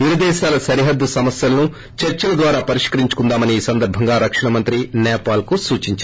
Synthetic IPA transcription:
iɾɐd̪ɛːʃaːlɐsɐɾiɦɐd̪ːusɐmɐsjɐlɐnu | t͡ʃɐɾt͡ʃɐlɐd̪ʋaːɾaːpɐɾiʂkɐɾiɲt͡ʃu̥kund̪aːmɐniiːsɐnd̪ɐɾbʱɐŋɡaːɾɐkʂɐɳɐmɐnt̪ɾinɛːpaːlkusuːt͡ʃiɲt͡ʃː

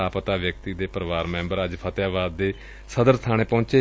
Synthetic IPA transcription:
aːpət̪aːʋjək̚t̪iːd̪eːpəɾʋaːɾmɛ̃ːmbəɾəd͡ʒpʰət̪jaːʋaːd̪ːeː | səd̪əɾst̪ʰaːɽ̃eːpɔ̃ːt͡ʃeː

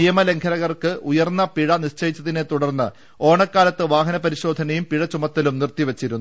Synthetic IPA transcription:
ijɐmɐle̞ŋkʰɐɾɐɣɐrkɨʔujɐrnːɐpiɻɐniɕt͡ɕɐjit͡ɕːɐðinet̪uɽɐrnːɨ | o̞ːɳɐkːaːlɐt̪ːɨʋaːɦɐnɐpɐɾiɕo̞ːd̪ʱɐnɐjumpiɻɐt͡ɕːumɐt̪ːɐlumnirt̪iʋet͡ɕːiɾunːu

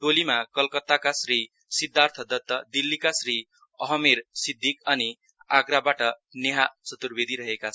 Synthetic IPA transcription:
ʈolimakʌlkʌt̪ːakasri | sid̪ʱːart̪ʰʌd̪ʌt̪ːʌd̪ilːikasri | ʌɦʌmeɾsid̪ʱːikʌni | aɡɾabaʈʌneɦat͡sʌt̪urbed̪ʱiɾʌɦekat͡sʰ

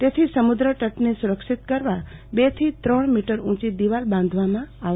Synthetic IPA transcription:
t̪et̪ʰisəmud̪ɾəʈəʈnesuɾəkʃit̪kəɾʋabet̪ʰit̪ɾəɳ̃miʈəɾũt͡ʃid̪iʋalbãnd̪ʱʋamãa

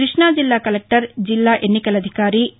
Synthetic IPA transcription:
ɾɪʂɳaːd͡ʒilːaːkɐlek̚ʈɐɾd͡ʒilːaːʔenːikɐlɐd̪ʱikaːɾi

